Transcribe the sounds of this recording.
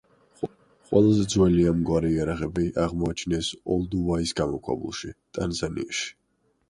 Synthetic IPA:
qʼwɛ̰lˠazɛd̪zwɛliamɡwaɾɛiaɾaʁɛbiʔaʁmɔat͡ʃʰnɛsɔlˠd̪uvaisɡamɔkʰwɛ̰bṵlˠʃit̪ʼanzanḭaʃi̥

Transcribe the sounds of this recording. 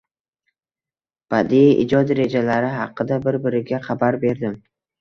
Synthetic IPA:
b̥ad̪iʔɪ̰d͡ʒɒd̪ɾe̞d͡ʒalaɾɪɦɑ̰qːɨd̪abɪɾbɪɾɪɡʲaχabaɾbe̞ɾd̪ɪm

